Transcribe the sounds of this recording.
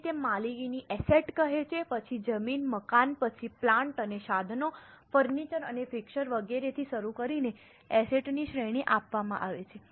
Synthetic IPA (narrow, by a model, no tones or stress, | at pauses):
t̪emːaliɡiniʔɛseʈkəɦet͡ʃʰepət͡ʃʰid͡ʒəminməkanpət͡ʃʰiplãɳʈəneʃad̪ʱnofəɾnit͡ʃəɾənefɪkʃəɾʋəɡeɾet̪ʰiʃəɾukəɾine | ɛseʈniʃɾeɽ̃iʔapʋamã̰ʔaʋet͡ʃʰe